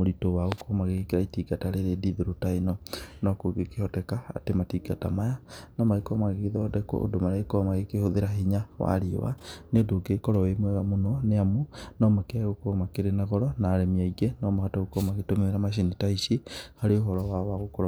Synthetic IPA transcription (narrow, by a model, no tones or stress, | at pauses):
moɾitowaɣokɔmaɣekeɾaitiɡataɾeɾediðeɾotainɔnɔkoɡekehɔtɛkaa̰tematiɡatamajanɔmaɣekɔmaɣekeðɔːdɛkɔ̰ʔo̰domaɾekɔmaɣekehoðeɾaɦiɲawa̰ɾio̰wa̰neodoɡekɔɾɔwemwɛɣamonɔneamonɔmakeaɣokoɔmakeɾenaɣɔɾɔnaːɾɛmiaiɡenɔmaɣataɣokɔmaɣetomeweɾamaʃ̬initaiʃihaɾeoɦɔɾɔwawaɣokoɾ